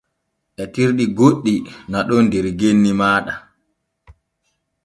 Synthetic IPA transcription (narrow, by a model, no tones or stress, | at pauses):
ʔɛtiɾɗiɡoɗːinaɗɔndɛɾɡenːimaːɗa